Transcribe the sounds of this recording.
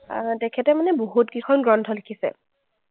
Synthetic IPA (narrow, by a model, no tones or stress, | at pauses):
tɛkʰɛtɛmanɛboɦutkɹixʰɔnɡɹɔntʰɔlikʰisɛ̰